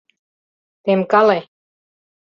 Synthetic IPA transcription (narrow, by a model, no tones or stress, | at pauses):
t̪emkɑle